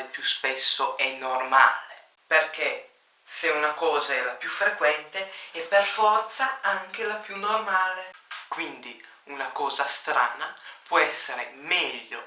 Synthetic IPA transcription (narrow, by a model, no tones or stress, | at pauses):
lpjuspesːoʔɛnːorma̰ːle | perk̟e | seunakɔːzaɛlapjufɾekwɛnt̪eɛpːerfɔrt̪saaŋk̟elapjunːormaːlekwind̪i | unakɔːzast̪ɾa̰ːnapwɔɛsːeɾemɛʎːo